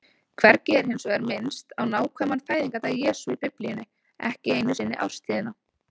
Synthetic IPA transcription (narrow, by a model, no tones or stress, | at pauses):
kʰvɛɾcɪɛɾ̥hejnsɔɣɛɾmɪnst̪awnaːwkʰvɛːmanfaːjðiŋkat̪aðjɛːsuipʏplijɪnːɪ | ɛ̰hcɪeːjnʏsɪnːɪ̰ʔa̰wɾ̥st̪ʰiːðɪnːa